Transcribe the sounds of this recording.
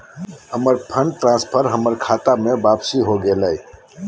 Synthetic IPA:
həməɾpʰə̃ɳɖ̚ʈɾãːspʰəɾɦəməɾkʰaːt̪amẽbaːpsiɦoɡeːlai

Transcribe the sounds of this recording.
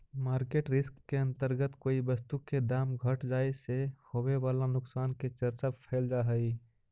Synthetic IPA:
maːɾkeːʈɾɪskːeə̃nt̪əɾɡət̪koːibəst̪uked̪aːmɡʱəʈd͡ʒaːesehoweʋaːlanʊksaːnket͡ʃəɾt͡ʃapʰɛːld͡ʒaɦəi

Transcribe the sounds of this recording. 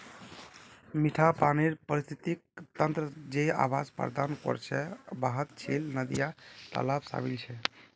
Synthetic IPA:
miʈʰapaniɾpəɾist̪ʰit̪ik̚t̪ənt̪ɾəd͡ʒea̰bad͡ʒpə̰ɾd̪ankɔ̰ɾt͡ʃʰɛbaɦət̪t͡ʃʰilnəd̪ijat̪ə̰labsa̰milt͡ʃʰɛ

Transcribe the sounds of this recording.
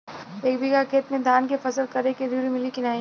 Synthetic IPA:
eːk̚bʱikakʰeːt̪mẽd̪ʱaːnkefɐsəlkɐɾeked̪uːɾimɪlikɪnaːĩ

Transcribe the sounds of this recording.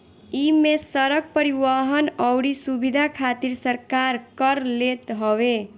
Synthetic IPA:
imesəɾəɡ̚pəɾiʋaɦənʌwɾisubid̪ʱakʰat̪iɾsəɾkaɾkʌɾlet̪ɦɔwe

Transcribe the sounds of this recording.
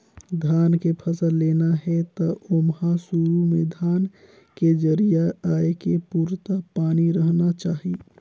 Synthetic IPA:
d̪ʱaːnkepʰəsəlːeːnaɦɛt̪ɔomɦasuɾumẽd̪ʱaːn | ked͡ʒəɾijaaːekepuːɾt̪apaːniɾəɦnat͡ʃaːɦi

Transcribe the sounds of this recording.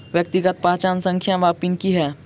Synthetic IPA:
ʋjək̚t̪iɡət̪̚paːt͡ʃaːnsə̃ŋkʰjãʋaːpinkiɦɛː

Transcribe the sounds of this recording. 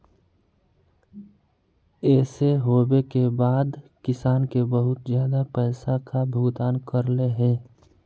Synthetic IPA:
ɛːseɦoːbekebaːd̪kɪsaːnkebəɦʊt̪zjaːd̪apɛːsakabʱʊɡt̪aːnkəɾleɦɛ̃ː

